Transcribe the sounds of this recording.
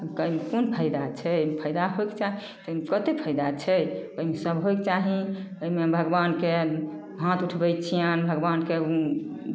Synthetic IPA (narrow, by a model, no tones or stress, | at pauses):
bəimekonpʰəjd̪at͡ʃʰɛomepʰəjd̪aɦojkt͡ʃaɦi | t̪ɔmekət̪epʰəjd̪at͡ʃʰɛəimesəbɦojkt͡ʃaɦiəimebʱəɡbanke | ɦãt̪uʈʰbəjt͡ʃʰijənbʱəɡbanke